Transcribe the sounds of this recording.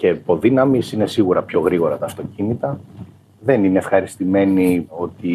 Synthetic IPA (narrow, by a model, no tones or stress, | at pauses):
ce̞po̞ðinɐmisine̞siɣuɾɐpço̞ɣɾiɣo̞ɾɐt̪ɐːft̪o̞cinit̪ɐ | ðe̞nineːfxɐɾist̪ime̞nio̞t̪i